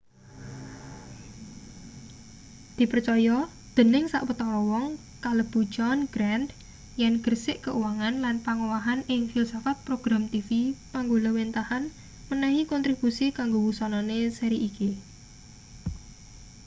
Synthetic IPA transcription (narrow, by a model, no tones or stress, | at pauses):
d̪̥i̤pərt͡ʃɔjɔ | d̪̥ə̤nɪŋsa̰ʔwət̪ɔɔwɔŋ | kaləb̥ṳ̥d͡ʒɔnɡ̥ɾand̪ | jɛnɡ̥ərsɪʔkəʔuwaŋanlanpaŋowaɦanɪŋfilsafat̪̚pɾoɡ̥ɾamt̪ifipaŋɡolɔwent̪ahan | mənɛhikɔnt̪ɾibusikaŋɡowusɔnɔnesəɾiʔiki